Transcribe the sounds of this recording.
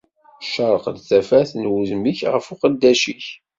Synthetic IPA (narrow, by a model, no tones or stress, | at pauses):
ʃəɾˤəqd̪θæfæθnwuzmiçʁə̰fʊqəd̪ːæʃiç